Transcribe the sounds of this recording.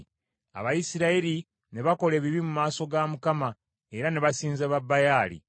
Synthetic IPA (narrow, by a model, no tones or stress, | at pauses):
a̰βajisiɾaeɾi | ne̞βako̞le̞ːβiβimumaːso̞ɡamukama | e̞ɾane̞βasiːnzaβabːajaːlḭ